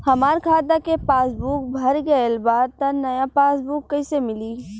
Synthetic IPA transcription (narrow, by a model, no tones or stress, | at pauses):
hɐmaːɾkʰaːd̪akepaːsbuːk̚bʱɐɾɡɐelbaːd̪̚t̪ɐnɐjapaːsbuːkːɐisemɪliː